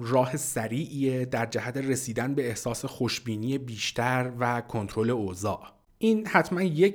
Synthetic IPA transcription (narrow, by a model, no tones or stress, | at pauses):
rɒːhesæɾiːʔied̪æɾd͡ʒæhæt̪ʰe̞re̞siːd̪ænbe̞ehsɒːse̞xoʃbiːniːjebiːʃt̪ʰæɾvækʰo̞nt̪ʰɾo̞le̞ozɒːʔ | ʔiːnhæt̪ʰmænje